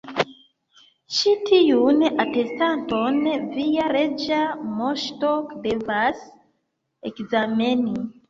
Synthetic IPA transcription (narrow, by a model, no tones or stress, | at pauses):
ʃitʰijunatestantonvijaɾed͡ʒamoʃtɔkdevas | ekzameni